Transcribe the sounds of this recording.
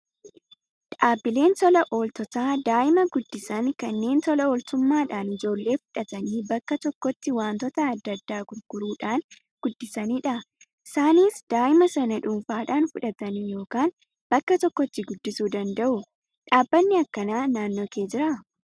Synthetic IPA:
ᶑaːbːɪle̞ːnsɔlɐʔoːlt̪ɔt̪aːd̪aːʔɪmɐɡʊd̪ːɪsɐŋkɐnːe̞ːnt̪ɔlɐoːlt̪ʊmːaːᶑaːnɪd͡ʒo̞ːlːe̞ːfʊ̥ᶑɐt̪ɐniːbɐkːɐt̪ɔkːɔt̪ːɪwaːnt̪ɔt̪ɐːd̪ːɐd̪ːaːkʊɾkʊɾuːᶑaːn | ɡ̥ʊd̪ːɪsɐniːᶑɐ | ɪsaːniːsd̪̥aːʔɪmɐsɐnɐᶑʊmfaːᶑaːnfʊᶑɐt̪ɐnijo̞ːkaːn | b̥ɐkːɐt̪ɔkːɔt̪ːɪɡʊd̪ːɪsuːd̪ɐnd̪ɐʔʊ | ᶑaːbːɐnːɪɐkːɐnaːnaːnːoːke̞ːd͡ʒɪɾɐ

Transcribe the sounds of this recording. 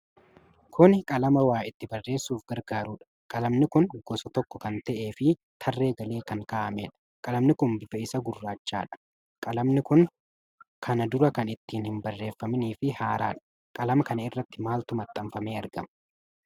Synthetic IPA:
kʰʊnkʼɐlɐmɐwaːɪt̪ːɪbɐrːe̞ːsːuːfɡɐɾɡaːɾuːᶑɐ̥ | kʼɐlɐmnɪkʊnɡ̥ɔsɔt̪ɔkːɔkɐnt̪ɛʔe̞ːfɪ | t̪ʰɐrːe̞ːɡɐle̞ːkɐŋkaːʔɐmeːᶑɐ̥ | kʼɐlɐmnɪkʊnbɪfɐɪsɐɡʊrːaːt͡ʃːaːᶑɐ̥ | kʼɐlɐmnɪkʊŋ | kʰɐnɐd̪ʊɾɐkɐnɪt̪ːiːnhɪmbɐrːe̞ːfːɐmɪniːfɪhaːɾa̰ːᶑɐ̥ | kʼɐlɐmɐkɐnɐɪrːɐt̪ːɪmaːlt̪ʊmɐt̪ʼːɐmfɐme̞ːɐɾɡɐ̰m

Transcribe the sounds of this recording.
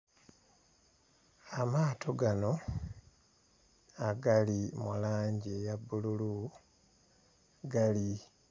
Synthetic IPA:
amaːtʰoɡano̞ | aɡalimulaːɲɟejabululu | ɡali

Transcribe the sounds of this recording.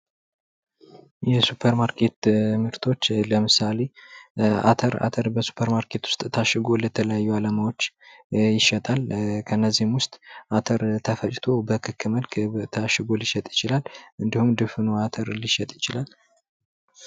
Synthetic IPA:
jɛsupʰəɾmaɾkʰe̞t̪ɨmɨɾt̪ʰo̞t͡ʃːləmɨsale̞ | a̰t̪ʰəɾa̰t̪ʰəɾbəsu̥pʰəɾmaɾkʰe̞t̪wʊ̥st̪ʼt̪ʰaʃɨɡo̞lət̪ʰələjajːualamawo̞t͡ʃːjɪʃət̪ʼalkʰənːəzːihɨmwʊst̪ʼʔat̪ʰəɾt̪ʰəfət͡ʃʼt̪ʰo̞bəkʰɨkʰːɨməlkʰt̪ʰaʃɪɡo̞liʃɛt̪ʼjɪt͡ʃɪlalɨnd̪ihumd̪ɨfɨnoat̪ʰəɾliʃɛt̪ʼjɪt͡ʃɪlal

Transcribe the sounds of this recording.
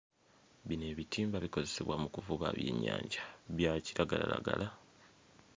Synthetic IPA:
βine̞ːβitiːmbaβiko̞zeseβwamukuvuβaːβje̞̰ːɲːaːɲɟaβjaciɾaɡalalaɡala

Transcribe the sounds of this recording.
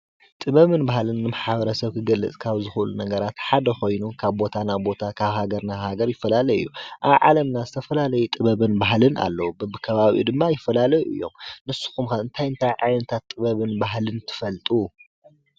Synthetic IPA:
t̪ʼɨβɐβɨnbahlɨnːɨmaħaβɐɾɐsɐβkʰɨɡɐlːɨ̰t͡sʼkʰaβzɨxlunɐɡɐɾat̪ħad̪ɐxo̞jnukʰaβbo̞t̪ʰanabo̞t̪ʰakʰaβhaɡɐɾnahaɡɐɾjɪfːɐlalɐjɨjːuʔa̰βʕa̰lɐmnazɨt̪ʰɐfɐlalɐjut̪ʼɨβɐβɨnbaɦlɨna̰lːɐwubɨbɨkʰɐβaβḭd̪ɨmːajɪfːɐlalɐjuʔɨ̰jːo̞̰mnɨsːu̥xumkaɨnt̪ʰajɨnt̪ʰajʕajnɐt̪ʰat̪ʼːɨβɐβɨnbaɦlɨnt̪ʰɨ̥fɐlt̪ʼu

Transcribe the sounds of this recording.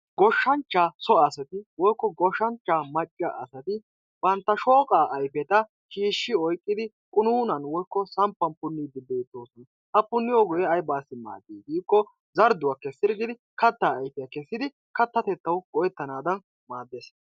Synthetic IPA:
ɡɔʃːɐnt͡ʃːasɔɐsɐt̪ɪwɔjkːɔɡɔʃɐnt͡ʃːaːmɐt͡ʃʼːa̰ʔɐsɐt̪ɪ | b̥ɐnt̪ːɐʃo̞ːkʼaːʔɐjpɛt̪ɐ | ʃiːʃːɪɔjkʼːɪd̪ɪ | kʼʊnuːnɐnwɔjkːɔsɐmpːɐnpʊnːɪd̪ɪbeːt̪ːo̞ːsɔn | hɐpʊnːɪjɔɡɔjɛɐjbaːsːɪma̰ːd̪iːɡiːkːɔ | zɐɾd̪ʊwakːɛsɪɾɡɪd̪ɪ | kɐt̪ːaːjfɛjɐkɛsːɪd̪ɪ | kɐt̪ːɐt̪ɛt̪ːɐwɡ̥ɔjɛt̪ːɐnaːd̪ɐn | maːd̪ːes

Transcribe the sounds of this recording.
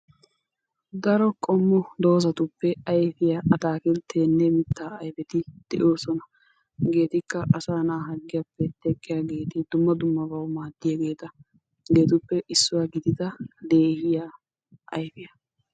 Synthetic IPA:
d̪ɐɾɔkʼɔmːʊd̪o̞ːzɐt̪ʊpːɛɐjfɪjaʔɐt̪aːkɪlt̪ʰeːnːɛmɪt̪ʰːaːɐjfɛt̪ɪd̪̥ɛʔo̞ːsɔnɐ | ɡe̞ːt̪ɪkːɐʔɐsaːnaːɦɐɡːɪjapːɛt̪ɛkʼːɪjaːɡe̞ːt̪ɪd̪ʊmːɐd̪ʊmːɐbɐwmaːd̪ːɪjaːɡe̞ːt̪ɐ | ɡe̞ːt̪ʊpːɛʔɪsːʊwaːɡɪd̪ɪd̪ɐd̪e̞ːhɪjaː | ʔɐjfɪjɐ

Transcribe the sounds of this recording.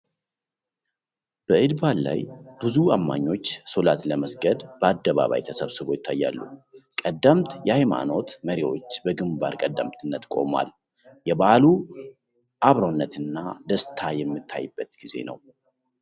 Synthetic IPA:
b̥əʔɨd̪βalla̰jb̥ɨzuamːa̰ɲːo̞t͡ʃːsolat̪ləməsɡəd̪b̥əad̪ːəβa̰βa̰jt̪ʰəsəβsɨβo̞jɪt̪ʰːajːalːukʼəd̪ːəmt̪jɛhajma̰no̞t̪məɾiwo̞̰t͡ʃːbəɡɨmbaɾkʼəd̪ːəmt̪ʰɨnːət̪kʼo̞̰ma̰l | jɛbalu | ʔaβɾonːət̪ɨnːad̪əst̪ʰajɛmːɨt̪ʰːa̰jːɨbːət̪ɡ̥ize̞̰nə̰w

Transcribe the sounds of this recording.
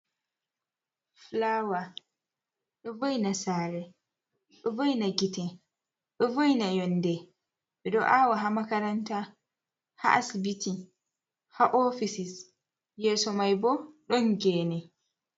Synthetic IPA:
flawa | ɓɛvɔjnasaːɾɛ | ɓɛvɔjnaɡitɛ | ɓɛvɔjnajɔndɛ | ɓɛɗɔʔawaɦamakaɾanta | ha̰ʔasibiti | haʔɔfisis | jɛːsɔmajbɔɗɔnɡɛːnɛ

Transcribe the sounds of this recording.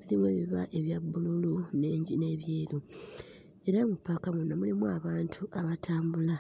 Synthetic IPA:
zilimweːβiβaʔe̞βjabːululune̞ːɲɟine̞ːβjeːlu | e̞ɾamupːakamunːamulimwaβaːntʰuʔaβatʰaːmbula

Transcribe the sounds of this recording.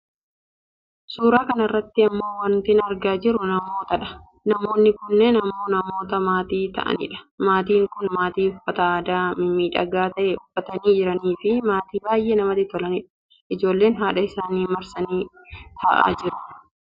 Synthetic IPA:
suːɾaːkɐnɐrːɐt̪ːɪɐmːo̞ːwɐnt̪ɪnɐɾɡaːd͡ʒɪɾʊnɐmo̞ːt̪ɐᶑɐ̥ | nɐmo̞ːnːɪkʊnːenɐmoːnɐmo̞ːt̪ɐmaːt̪iːt̪ɐ̰ʔɐ̰nɪ̰ᶑɐ̥maːt̪iːŋkʊnmaːt̪iːʊfːɐt̪ɐaːd̪aːmɪmiːᶑɐ̰ɡaːt̪ɐʔɛʊfːɐt̪ɐniːd͡ʒɪɾɐniːfɪmaːt̪iːbaːjʔeːnɐmɐt̪ɪt̪ɔlɐnɪᶑɐ̥ | ʔɪd͡ʒo̞ːlːe̞ːnɦaːᶑɐɪsaːniːmɐɾsɐniː | t̪ʰɐʔa̰ːd͡ʒɪɾʊ̥

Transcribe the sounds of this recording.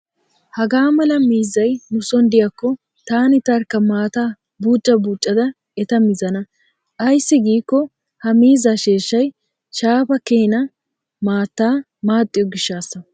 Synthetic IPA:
hɐɡaːmɐlɐmiːzɐjnʊsɔnd̪ɪjɐkːɔ | t̪aːnɪt̪ɐɾkːɐmaːt̪a | buːt͡ʃʼːɐbuːt͡ʃʼːɐd̪ɐ | ɛt̪ɐmɪzɐnɐ | ʔɐjsːɪɡiːkːɔ | hɐmiːzaʃe̞ːʃːɐj | ʃaːpɐkeːnɐ | maːt̪ːaː | maːt̪ʼːɪjɔɡɪʃːaːsːɐ

